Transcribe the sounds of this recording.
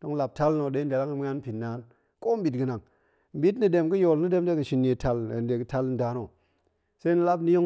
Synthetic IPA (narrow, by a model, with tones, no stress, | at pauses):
d̥o˦ŋla˨p̚ta˦lno˨ɗe˨˦de˨la˦ŋɨ˧mʷʲ˦a˦n˦pi˨nːa˨˦n | ko˦m˦bi˨tɡɨ˨na˨ŋ | m̩˨˦bi˦tni˨de˧mkɨ˦jo˨lni˦de˦m˦de˦kɨ˨ʃi˨˧nːe˨tʰa˧le˨n˨de˨kɨ˨ta˦ln̩˨da˨˦no˨ | sa˦ni˦la˦pni˦jo˦